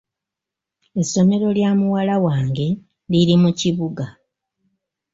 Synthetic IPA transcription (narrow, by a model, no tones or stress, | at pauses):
e̞so̞me̞ɾo̞ljaːmuwalawaːŋɡe̞ | liɾimuciβuɡa